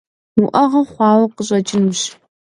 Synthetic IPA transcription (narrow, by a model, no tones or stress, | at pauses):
uʔɐʁɐχʷɑːwɐqəɕʼɐt͡ʃʼɪnʒ